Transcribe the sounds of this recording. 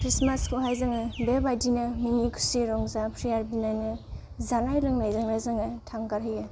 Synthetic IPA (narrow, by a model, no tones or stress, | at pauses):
kʰɾismaskʰoɦajzaŋɯbebajdinɐminikʰu̥siɾɔŋzapʰɾijaɾbinajnɯ | zanajlɯŋlajzaŋlazɯŋɯtʰaŋkaɾɦɯjɯ